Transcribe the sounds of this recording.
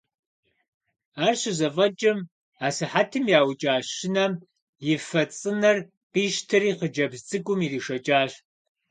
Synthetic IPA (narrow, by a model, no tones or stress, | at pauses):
aːrɕɨzɐvɐd͡ʒʼɐm | aːsɨħatʰɨmjaːwd͡ʒʼaːɕɪnɐm | jɪfɐt͡sʼɨnɐr | qiːʃtʰɨriːqəd͡ʒɐbzt͡sʼɨɡʷʊmiːriːʂɐd͡ʒʼaːɕ